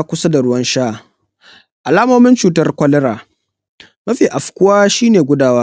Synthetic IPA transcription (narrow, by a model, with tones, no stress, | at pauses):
kʷʊ˦sa˦da˨ɽʊ˦wɐ˦nʃaː˦ | ʔa˨laː˦moː˦mɪ˦nt͡ʃuː˨tɐ˦rkʷɔ˦lɛ˦ɾaː˨ | mɐ˦ɸiː˨ʔa˨ɸkʷʊ˦waː˦ʃiː˦neː˨ɡʷʊ˦daː˦waː˦